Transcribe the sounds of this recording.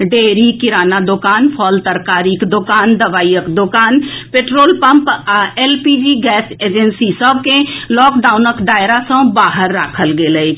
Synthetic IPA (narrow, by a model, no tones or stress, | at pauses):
ɖeːɾikɪɾaːnad̪okaːnpʰɔːlt̪əɾkaːɾikd̪okaːnd̪ɐʋaːijəkd̪okaːnpeːʈɾoːlpɐ̃mpɛːlpid͡ʒiːɡɛːseːd͡ʒensisəb̚kẽlɔːkɖaːʊnəkɖaːɪɾasə̃baːɦəɾːaːkʰəlɡeləi